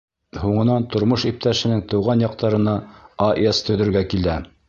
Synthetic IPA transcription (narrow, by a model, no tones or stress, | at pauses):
huɴɤ̆nɑnt̪ŏɾmoʃip̚t̪æʃɘ̆nɘŋt̪ɤ̆wʁɑnjɑq̚t̪ɑɾɤ̆nɑaʔest̪ʰɵ̆ðɘ̆ɾɡækilæ